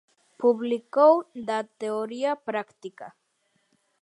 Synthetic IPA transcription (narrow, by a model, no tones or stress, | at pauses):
puβlikowd̪at̪eoɾiapɾakt̪ika